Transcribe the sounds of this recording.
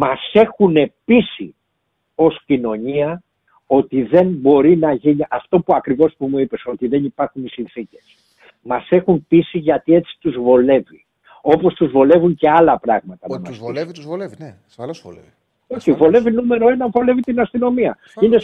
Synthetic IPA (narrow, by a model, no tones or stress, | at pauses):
mɐse̞xune̞pisḭ | o̞scino̞ɲiɐ | o̞t̪iðe̞nbo̞ɾinɐʝiniʔɐft̪o̞puɐkɾivo̞spumuipe̞so̞t̪iðe̞nipɐɾxunisinθice̞s | mɐse̞xunpisiʝɐt̪ie̞t͡si̥t̪uzvo̞le̞vi | o̞po̞st̪uzvo̞le̞vuɲce̞ɐlɐpɾɐɣmɐt̪ɐnɐmɐsi | oçivo̞le̞vinume̞ɾo̞e̞nɐɱvo̞le̞vit̪inɐst̪ino̞miɐ | ine